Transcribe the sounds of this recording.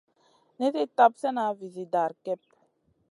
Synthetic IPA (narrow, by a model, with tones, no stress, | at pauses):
ne˦te˦t̪a˦psɛ˦na˨˦vi˨zi˨da˨ɾkɛ˦p̚